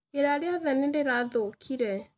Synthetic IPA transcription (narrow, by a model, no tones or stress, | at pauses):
eɾaɾeaðɛnendeɾaðokʰiɾɛ